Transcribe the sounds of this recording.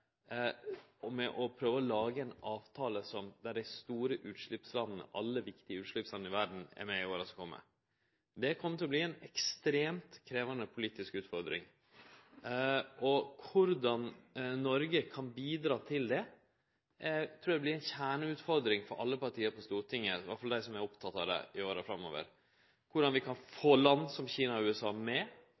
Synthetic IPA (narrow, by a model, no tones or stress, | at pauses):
mɛʔɔpʰɾøːʋəɔlɑːɡəɛnɑːʋt̪ʰɑːləsɔmd̪æɖæɪst̪uːɾəʔʉːt̪ʂɭʏpslɑnːənə̰ʔɑlːəʋɪkt̪ɪəʉːt̪ʂɭʏpslɑn̩ːɪʋæɖɳ̩ɛ̰ɾmɛɪoːɾɑsɔkʰɔmːə̰ | d̪ɛkʰɔmːət̪ɪlɔbliːɛnɛkst̪ɾeːmt̪kʰɾeːʋɑnəpʰʊliːt̪ɪskʉːt̪fɔɾd̪ɾɪ̰ŋ | ʔɔkʰʊɾd̪ɑnnɔɾɡəkʰɑnbiːd̪ɾɑːt̪ʰɪld̪ɛ | t̪ʰɾuːɾd̪ɛblɪɾɛɪnçæːɳəʉːt̪fɔɾd̪ɾɪŋfɔɾʔɑ̰lːəpɑɾʈʰiːəɾpʰɔst̪uːɾʈʰɪŋːəʋɑ̰ʈfɑld̪æɪsɔmɛɾɔpt̪ʰɑt̪ːɑd̪ɛ̰ɪoːɾəfɾɑmːo̰ːʋə̰ɾ | kʰʊɖɑnʋɪkʰɑnfoːlɑnːsɔmçiːnɑɔʉːɛsɑːmɛ